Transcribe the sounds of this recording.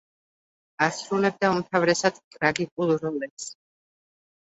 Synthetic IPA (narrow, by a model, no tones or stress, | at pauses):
asɾulɛb̚d̪aumt̪ʰavɾɛsad̪̥kʼɾaɡikʼulˠɾɔlɛps